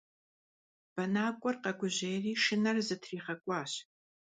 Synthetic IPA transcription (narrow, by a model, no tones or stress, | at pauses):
b̥ɐnaːkʷʼɔrqɐɡʷʊʑeːjriːʂɨnɐrzɨtʰriːχɐkʷʼɑːɕ